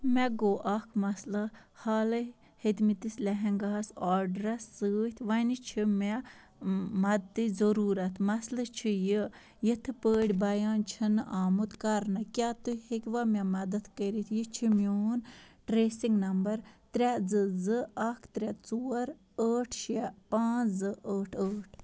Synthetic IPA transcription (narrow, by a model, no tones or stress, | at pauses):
mɛɡoːʔɐkʰmɐslɐhaːlɐ | hed̪mit̪islɛɦɛŋɡaːsaːɾɖɾɐsːɨːt̪ʰʋɐnit͡ʃʰimɛ | mɐd̪d̪ɨzɐɾuːɾɐt̪ʰmɐslɨt͡ʃʰiji | jit̪ʰɨpəːɽʲbɐjaːnt͡ʃʰinɨʔaːmut̪kɐɾnɐkʲaːt̪uhekʲʋamʲɐmɐd̪ɐd̪kəɾit̪ʰjit͡ʃʰimʲjoːnʈɾeːsiŋɡnɐmbɐɾt̪ɾʲad͡zɨzɨɐkʰt̪ɾʲat͡suːɐɾ | əːʈʰʃapãːzɨʔəːʈʰəːʈʰ